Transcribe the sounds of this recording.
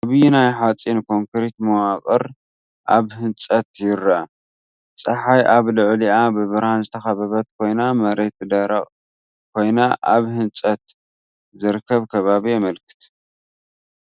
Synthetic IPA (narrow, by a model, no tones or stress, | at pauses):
ʔaβɨjunajħat͡sʼinkʰo̞ŋkɨɾit̪mɐwakʼɨɾ | ʔaβhɨnt͡sʼɐt̪jɪɾɐ | t͡sʼɐħajʔaβlɨʕliabɨβɨɾhanzɨt̪ʰɐxɐβɐβɐt̪̚kʰo̞jnamɐɾet̪̚ɨd̪ɐɾɐ̰kʼ | kʰo̞jnaʔaβhɨnt͡sʼɐt̪̚ | zɨɾkʰːɐβkʰɐβaβiɛmɐlkʰɨ̥t̪ʰ